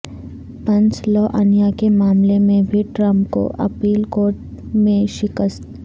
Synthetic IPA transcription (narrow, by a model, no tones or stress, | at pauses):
pɐ̃nt͡ʃlɔːʔɐnijakemaːmlemẽbʱiʈɾə̃mpko̰ʔɐpiːlkoːɾʈ̚ | mẽʃɪkəst̪